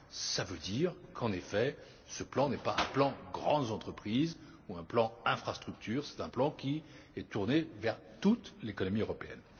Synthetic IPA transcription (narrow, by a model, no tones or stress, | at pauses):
savød̪iʁkʰɑ̃nefɛ | səplɑ̃nɛpaɛ̃plɑ̃ɡʁɑ̰̃d̪ɑ̃t̪χəpχiz | uɛ̃plɑ̃ɛ̃fχast̪χyk̚t̪ʰyːʁsɛ̥t̪ɛ̃plɑ̃kʲi | ɛt̪uʁnevɛʁ | t̪ut̪lekɔnɔmiøʁɔpeɛ̰n